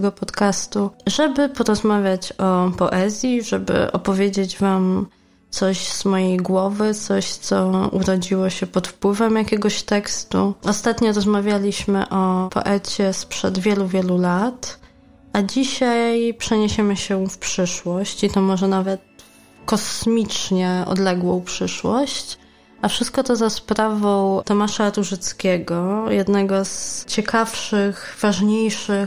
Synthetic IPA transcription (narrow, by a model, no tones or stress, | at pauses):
ɡɔpɔt̪kast̪uʐɛbɘpɔɾɔzmavʲjat͡ɕɔpɔʔɛzʲjiʐɛbɘ̰ʔɔ̰pɔvʲjed͡ʑed͡ʑvam | t̪sɔɕz̥mɔjejɡwɔvɘt̪sɔɕt̪sɔṵɾɔd͡ʑiwɔɕɛpɔt̪fpwɘvɛmjakʲɛɡɔɕt̪ɛkst̪ṵʔɔst̪at̪ɲɔɾɔzmavʲjalʲiɕmɘ̰ʔɔpʰɔ̰ʔɛt͡ɕɛspʂɛ̰d̪vʲjɛluvʲjɛlulat̪ | ʔad͡ʑiɕajpʂɛɲeɕɛmɘɕɛfpʂɘʂwɔɕt͡ɕit̪ɔmɔʐɛnavɛt̪̚ | kɔsmʲit͡ʂɲɛɔ̰d̪lɛɡwɔ̃w̃pʂɘʂwɔɕt͡ɕ | afʂɘst̪̚kɔt̪ɔzaspɾavɔ̃wt̪ɔmaʂaɾuʐɘt̪skʲɛɡɔjɛd̪nɛɡɔzt͡ɕɛkʰafʂɘxv̥aʐɲejʂɘ